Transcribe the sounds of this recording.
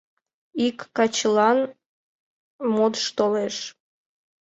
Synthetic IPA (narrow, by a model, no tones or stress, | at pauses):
ikːɑt͡ɕlɑn | mot̪ʃt̪oleʃ